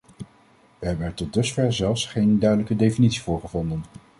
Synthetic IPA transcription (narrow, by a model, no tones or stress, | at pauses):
ʋəɦɛbənɛɹtɔt̚dɵsfɛɹzɛlˠfsχejndœɥdələkədejfinitsivʊːɹχəvɔndən